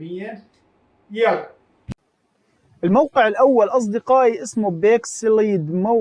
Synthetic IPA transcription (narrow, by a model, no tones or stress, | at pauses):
ɪjːa | ja | ʔɪlmawqɨʕɪlʔawːalʔɑs̬ˤd̪ɪqɑːʔiʔɪsmʊbeːksɪliːd̪ma